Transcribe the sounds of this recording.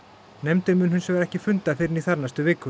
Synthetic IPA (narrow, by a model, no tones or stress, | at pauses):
nɛjmt̪ʏmʏnɦʏnsvɛɾɛhcɪfʏnt̪afɪɾɪniθaɾnast̪ʏvɪːkʏ